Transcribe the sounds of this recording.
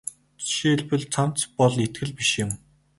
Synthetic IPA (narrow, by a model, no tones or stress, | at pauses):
ʃeɮpɘ̆ɮt͡sʰam̥t͡spɔɮet̪̚ɡɘ̆ɮpiʃjɪ̆m